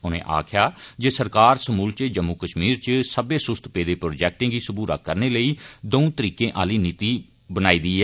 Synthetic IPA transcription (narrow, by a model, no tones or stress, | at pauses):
ʊnḛ̃ːʔa̰ːkʰjaːd͡ʒeːsəɾkaːɾsəmuːlt͡ʃəd͡ʒəmːuːkəʃmiːɾt͡ʃsəbeːsʊst̪peːd̪eːpɾoːd͡ʒɛːk̚ʈɪ̃ːɡiːsəbuːɾa̰ːkəɾneːləiːd̪oũːt̪əɾiːkẽːʔaːliːniːt̪iː | bənaːiːd̪iːɦɛː